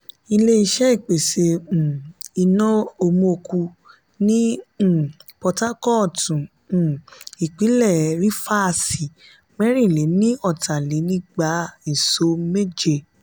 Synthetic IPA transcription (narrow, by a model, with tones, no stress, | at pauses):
i˧le˦i˧ʃɛ˦i˦˨k͡pe˨sẽ˧˨i˧nɔ̃˦o˧mõ˧o˧ku˧ | nĩ˦˨ | pɔ˧ta˦kɔ˦˨tũ˨ | i˨k͡pi˨˦lɛ˦˨ɾi˦fa˦˨si˨ | mɛ˦ɾ̃ĩ˦˨le˨˦nĩ˦ɔ˦˨ta˨le˨˦nĩ˦ɡ͡ba˧˦i˨so˧˦me˦d͡ʒe˦˨